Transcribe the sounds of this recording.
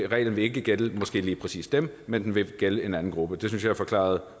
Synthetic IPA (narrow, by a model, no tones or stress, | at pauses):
ʁɛ̰ɪln̩ʋe̝e̝ɡ̥əɡ̥eləmɒ̽sɡ̥e̝̰ːliːpʰʁɛsḭːsd̥emmend̥enʋe̝ɡ̥eləe̝næn̩ɡ̥ʁub̥əd̥e̝synsjɑ̈æfɒ̽kʰlɑ̰̈ɐð̞̩ˠ